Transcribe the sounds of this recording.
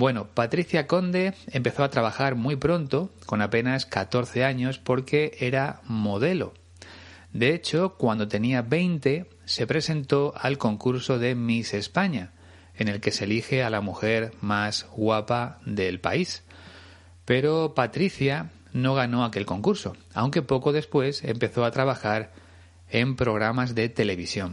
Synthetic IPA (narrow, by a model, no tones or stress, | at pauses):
bwe̞nopat̪ɾiθjako̞nd̪e̞empe̞θo̞at̪ɾaβ̞axaɾmwipɾo̞nt̪o̞ko̞nape̞naskat̪o̞ɾθe̞aɲo̞spo̞ɾke̞e̞ɾamo̞ð̞e̞lo̞̰ | d̪e̞et͡ʃo̞kwand̪o̞t̪e̞niaβe̞jnt̪e̞ | se̞pɾe̞sẽ̞nt̪o̞alko̞ŋkuɾso̞ðe̞mise̞spaɲa | e̞ne̞lke̞selixe̞alamuxe̞ɾmazɣwapaðe̞lpa̰is | pe̞ɾo̞pat̪ɾiθja | no̞ɣ̞ano̞ake̞lko̞ŋkuɾso̞ | a̰wŋke̞po̞ko̞ð̞e̞spwe̞se̞̰mpe̞θo̞at̪ɾaβ̞axaɾ | e̞mpɾo̞ɣ̞ɾamazðe̞t̪e̞le̞β̞isjo̞n